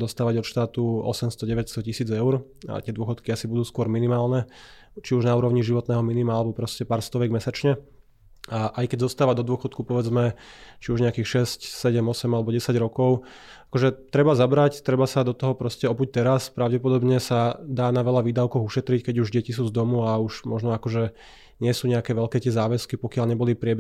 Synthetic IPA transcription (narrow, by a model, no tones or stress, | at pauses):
d̪ɔst̪aːʋaɟɔt̪ʃt̪aːt̪uɔ̰sɛmst̪ɔɟɛʋɛcst̪ɔcisiːd͡zɛʊɾ | a̰t̪ɪɛd̪ʊɔxɔt̪kiasibud̪uːskʊɔɾminimaːlnɛ | t͡ʃiuʒnauːɾɔʊɲiʒiʋɔt̪nɛːɦɔminimaalɛbɔpɾɔscɛpaːɾst̪ɔʋɛɡmɛsat͡ʃɲɛ | aʔajkɛɟzɔst̪aːʋad̪ɔd̪ʊɔxɔt̪kupɔʋɛd͡zmɛt͡ʃiuʒɲɛakiːxʃɛscsɛɟɛmɔsɛmalɛbɔɟɛsaɟɾɔkɔʊ | akɔʒɛt̪ɾɛbazabɾact̪ɾɛbasad̪ɔt̪ɔɦɔpɾɔscɛɔbuc̚t̪ɛɾaspɾaʊɟɛpɔd̪ɔbɲɛsad̪aːnaʋɛʎaʋiːd̪aʊkɔɣuʃɛt̪ɾickɛɟuʒɟɛcis̬uːzd̪ɔmuauʃmɔʒnɔakɔʒɛ | ɲɪɛsuːɲɛakɛːʋɛʎkɛːt̪ɪɛzaːʋɛskipɔkɪaʎɲɛbɔlipɾɪɛb